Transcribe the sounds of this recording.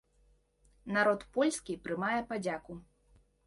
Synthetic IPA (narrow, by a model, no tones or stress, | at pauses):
naɾɔt̪pɔlʲskʲipɾɨmajɛpad͡zʲaku